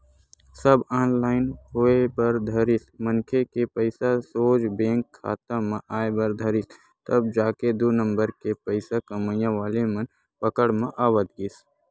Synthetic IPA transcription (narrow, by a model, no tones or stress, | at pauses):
səbaːnlaːɪnɦoːebəɾd̪ʱəɾɪsmənkʰekepəɪsasoːd͡ʒbẽːŋkʰːa̰ːt̪ãmãʔaːebəɾd̪ʱəɾɪs | t̪əb̚d͡ʒaːked̪uːnə̃mbəɾkepəɪsakəməjãʋaːlemən | pəkəɽmãʔaːwət̪ɡis